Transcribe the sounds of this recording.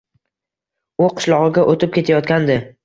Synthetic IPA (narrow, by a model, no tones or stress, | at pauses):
ʊqʰɨ̥ʃlˠɒʁɨɡʲaʔot̪ʰɪp̚kʲe̞t̪ʰajɒt̪̚kʲand̪ɪ